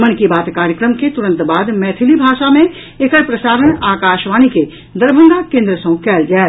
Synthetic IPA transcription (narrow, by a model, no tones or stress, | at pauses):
mənkibaːt̪kaːɾjəkɾəmket̪ʊɾə̃nt̪baːd̪mɛːt̪ʰɪlibʱaːʃamẽ | ekəɾpɾəsaːɾənaːkaːʃʋaːnike | d̪əɾbʱə̃ŋɡakẽːnd̪ɾəsə̃kɛːld͡ʒaː